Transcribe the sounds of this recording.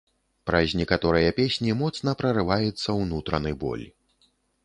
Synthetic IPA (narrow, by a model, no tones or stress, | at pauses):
pɾɐzʲnʲɛkat̪ɔɾɨjɐpʲesʲnʲimɔt̪snɐpɾɐɾɨvajut̪sːɐwnut̪ɾɐnɨjbɔ̰lʲi